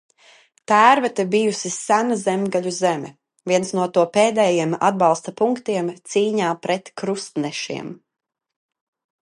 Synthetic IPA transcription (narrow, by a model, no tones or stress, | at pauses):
t̪æːɾvɛt̪ɛbijusisænazɛmɡaʎuzɛmɛ | vʲiɛnsnuɔt̪uɔpeːd̪ɛːjiɛma̰d̪̚bɑlˠst̪apuŋkt̪iɛmt̪siːɲaːpɾɛt̪kɾust̪nɛʃḭɛm